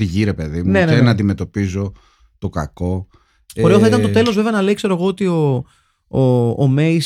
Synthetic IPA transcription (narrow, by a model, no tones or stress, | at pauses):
iʝiɾe̞pe̞ðimunenenɐnd̪ime̞t̪o̞pizo̞ | t̪o̞kɐ̰ko̞ | oɾe̞oθɐit̪ɐnt̪ot̪e̞lo̞zve̞ve̞ɐnɐleikse̞ɾoe̞ɣoot̪ioː | me̞js